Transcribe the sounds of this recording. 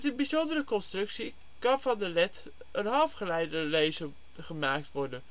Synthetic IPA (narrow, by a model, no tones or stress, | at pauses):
tənbizɔndərəkɔnstrɵksi | kɑnvɑndəlɛt | ənɦɑlˠfχəlɛjdəlejzə | χəmaːk̚tʋɔɹdən